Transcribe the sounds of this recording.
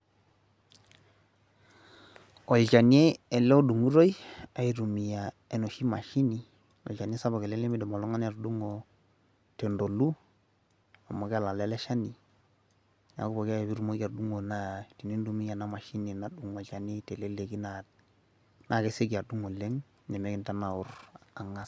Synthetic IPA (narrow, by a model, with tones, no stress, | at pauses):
o˨lt͡ʃa˨ni˦e˦ɛ˨lɛ˦o˦du˨ŋu˦ɾo˦jia˨i˨ɾu˨mi˨ja˨ | e˨no˨ʃi˦ma˨ʃi˦ni˨ | ɔ̰˨la˨n˦e˦sa˦bɔ˨kɛ˨lɛ˦lɛ˦mi˦dɔ˨mo˨lɔ˦ŋa˦na˨ɾdu˦ŋo˨ | tɛ˨ndo˨lu˦ | a˨mo˨ka˦˨la˨lɛ˦lɛ˦ʃa˦ni˨ | na̰˨ku˦bɔ˨ki˦a˦jɛ˨βi˦ɾu˦mo˦ɡa˨ɾdu˦ŋo˨na˦ti˨ni˦n˦du˦mi˦ja˨na˦ma˨ʃi˦ni˨na˦du˨ŋɔ˨t͡ʃa˨nɛ˦tɛ˨lɛ˦le˨ki˦na˨ | na˨ke˦se˦ka˨du˦ŋo˨le˦ŋ | nɛ˨mɛ˦ki˨nta˦na˨ʊ˨ra˨ŋa˦s